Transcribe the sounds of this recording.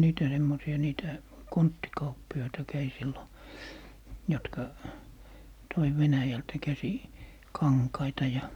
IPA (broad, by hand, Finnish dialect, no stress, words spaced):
niːtæ semːosiɑ niːtæ kontːikɑupːiɑitɑ kæi silːo jɔtkɑ toi ʋenæjæltæ kæsi kɑŋkɑitɑ jɑ